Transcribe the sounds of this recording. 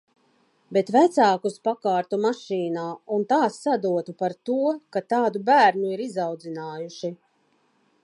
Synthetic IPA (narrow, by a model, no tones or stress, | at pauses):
bet̪væt̪saːkuspakaːɾt̪umaʃiːnaːunt̪aːsːad̪uɔt̪upaɾt̪uɔkat̪aːd̪ubæːɾnuiɾizawd̪zinaːjuʃi